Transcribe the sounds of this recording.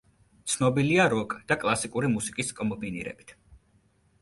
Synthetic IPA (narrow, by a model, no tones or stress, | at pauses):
t̪sʰnɔbiliaɾɔkʼd̪̥akʼlˠasikʼuɾimusi̥kʼiskʼɔmbinḭɾɛ̰bit̪ʰ